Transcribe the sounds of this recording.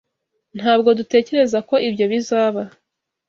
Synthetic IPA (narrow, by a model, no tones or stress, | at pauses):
n̥haːb̚ɡo̞dute̞ːce̞ɾe̞zako̞ʔibjo̞βizaːβa